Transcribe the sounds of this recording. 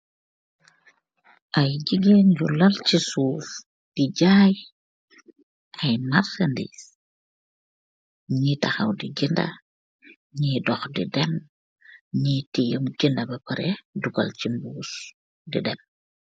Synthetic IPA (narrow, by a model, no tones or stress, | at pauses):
ʔɐjɟiɡenɟulɐlcisuːf | d̥iɟaːj | ʔɐjmarsɐndḭs | ɲitɐxɐ̰wdiɡindɐ̰ | ɲiːdɔxdḭdɛm | ɲitijəmɡindɐbɐpɐɾɛduɡɐ̰lcimbuːs | dḭdɛm